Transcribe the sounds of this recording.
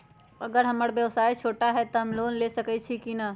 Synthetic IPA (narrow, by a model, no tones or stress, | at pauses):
əɡəɾɦəməɽbjəwsaːjt͡ʃʰoʈaɦɛt̪ɔɦəmlonlesəkɛt͡ʃʰikina